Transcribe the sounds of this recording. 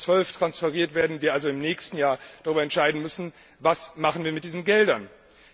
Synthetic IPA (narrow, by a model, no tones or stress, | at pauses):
t͡sv̥œlftʁ̥ansfɛʁiːɐtv̥eːɐdn̩viːɐʔalzoɪmnɛːçstn̩jaːɐd̥aʁyːbɐɛntʃaɪdn̩mʏsn̩ | vasmaχn̩viːɐmɪt̚d̥iːzn̩ɡɛldɐn